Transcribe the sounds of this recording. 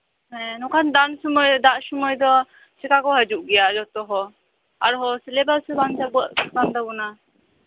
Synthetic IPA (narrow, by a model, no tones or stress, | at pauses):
hɛ̃nɔkʰand̪ansɔmɔjd̪aʔsɔmɔjd̪ɔ | sɛkakɔɦəd͡ʒuʔɡɛjaʔd͡ʒɔt̪ɔɦɔ | a̰ɾɦɔsilɛbalsɛband͡ʒabəʔ̚kand̪abɔna